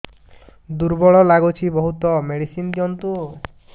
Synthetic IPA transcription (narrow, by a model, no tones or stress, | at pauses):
d̪uɾbɔɭɔlaɡut͡ʃʰibɔɦut̪ɔmeɽisind̪ijɔnt̪u